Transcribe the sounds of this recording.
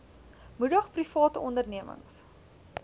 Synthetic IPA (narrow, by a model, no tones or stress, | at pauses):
mudəχprifɑːtəɔndərniəmə̰ŋs